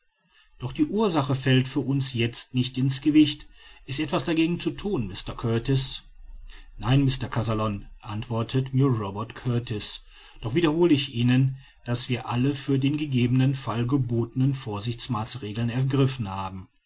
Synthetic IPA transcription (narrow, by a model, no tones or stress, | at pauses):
d̥ɔχd̥iːʔuːɐzaχəfɛltfyːɐʔʊnsjɛt͡stnɪçtɪnsɡ̥əvɪçtʔɪstʔɛtv̥asd̥aɡeːɡŋ̩t͡sutʰuːnmɪstɐkʰœɐtɪs | naɪnmɪstɐkʰazalɔnʔantv̥ɔɐtʰətmiːɐʁɔbɛɐtkʰœɐtɪs | d̥ɔχv̥iːdɐhoːləɪçʔiːnən | d̥asv̥iːɐʔaləfyːɐdeːnɡəɡeːbənənfalɡəboːtənənfoːɐzɪçt͡smaːsʁeːɡl̩nɛɐɡʁɪfn̩haːbm̩